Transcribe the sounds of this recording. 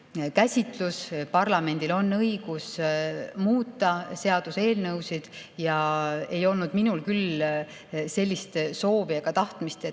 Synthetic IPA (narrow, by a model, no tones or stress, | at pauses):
kæsʲit̪ˑluspɑrlɑme̞nʲd̪̥ilo̞nːɤjɡ̥us | muːt̪ˑːɑse̞ɑd̪̥use̞ːlnɤwsid̪̥jɑe̞jo̞lnud̪minulkyl | se̞lʲːist̪so̞ːvieɡ̥ɑt̪ɑht̪mist̪e